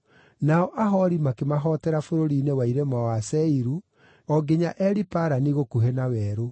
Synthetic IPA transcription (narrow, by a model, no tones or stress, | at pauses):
naɔʔaɦɔɾimakemaɦɔtɛɾafoɾoɾiːnewaiɾemawasɛiɾu | ɔɡeɲaʔɛɾipaɾaniɣokuɦenawɛːɾo